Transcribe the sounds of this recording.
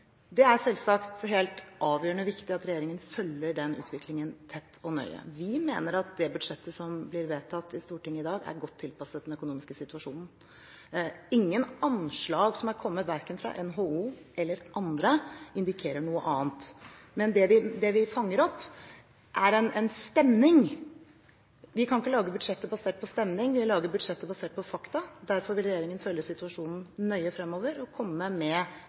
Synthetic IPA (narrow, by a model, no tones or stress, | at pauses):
d̪ɛæɾsɛlsɑkt̪heːlt̪ʔɑːʋjøːəɳəɔʋɪkt̪ɪɑt̪ɾɛjeːɾɪŋənfœlːəɖɛnʉ̰ːt̪ʰʋɪklɪŋənt̪ʰɛt̪ːɔnœ̰ʏə̰ʋɪmḛːnəɾɑt̪̚d̪ɛbʉd̪ʂɛt̪ʰːəsɔmblɪɾʋeːt̪ʰɑt̪ːɪst̪uːʈɪŋːəɪd̪ɑːɡæ̰ɾɡɔt̪ʰːɪlpɑsət̪̚d̪ɛnœkʊnuːmɪskəsɪt̪ʉɑʂuːnn̩ | ɪŋːənɑnʂɭɑːɡsɔmæɾkʰɔmːət̪ʋæɾkənfɾɑ̰ʔɛnɦoːuː | ʔɛlːəɾʔɑnd̪ɾəɪnd̪ɪkʰeːɾəɳuːəʔɑːnt̪ | mɛnd̪ɛʋɪd̪ɛʋɪfɑŋːəɾɔpː | ʔæɾɛnɛnst̪ɛmnɪŋ | ʋɪkʰɑnɪkːəlɑːɡəbʉd̪ʂɛt̪ːəbɑseːʈ̚pʰɔst̪ɛmnɪŋʋɪlɑːɡəbʉd̪ʂɛt̪ːəbɑseːʈ̚pɔfɑkt̪ɑd̪æɾfɔɾʋɪlɾɛjeːɾɪŋənfœlːəsɪt̪ʉɑʂuːnn̩nœʏəfɾɛmːoːʋəɾɔkʰɔmːəmɛ